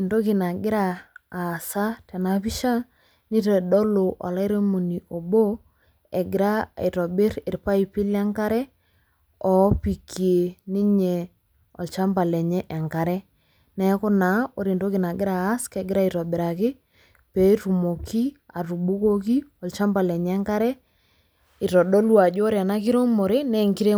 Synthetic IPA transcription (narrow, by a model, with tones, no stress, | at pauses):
ndo˦ki˨na˨ɡɪ˦ɾaː˨ | sa˦tɛ˨na˨˦pi˦ʃa˦ | ni˦tɛ˨ɗɔ˦lo˨ʔɔ̰˨la˦ɾe˦mo˨ni˨ʔo˨bo˦ | ɛ˨ɡɪ˨ɾa˦i˨ɾɔ˨bɪ˦ɾɪ˨ɾpa˦i˨pi˦la˦ŋka˦ɾɛ˦ | ɔ˨˦pi˨kʰi˨e˨ni˦ɲe˨ | ɔ˨lt͡ʃa˦mba˨lɛ˨ɲɛ˦ʔɛ˨ŋka˨ɾɛ˦ | nɛ˦kʊ˦na˨˦o˦ɾi˨ndo˦kɪ˨na˨ɡɪ˦ɾaː˨˦skɛ˦ɡɪ˦ɾa˦i˨ɾɔ˨bɪ˨ɾa˨kɪ˦ | pɛ˨˦tu˨mo˨ki˦a˨ru˨ɓu˦ko˦ki˦ɔ˨lt͡ʃa˦mba˨lɛ˨ɲ˦ɛ˦ŋka˦ɾɛ˦ | ɪ˨ɾɔ˨ɗɔ˦lwa˨d͡ʒo˦ɔ˦ɾa˨na˦ki˦ɾo˦mo˨ɾɪ˦nɛ˦˨ŋki˦ɾe˦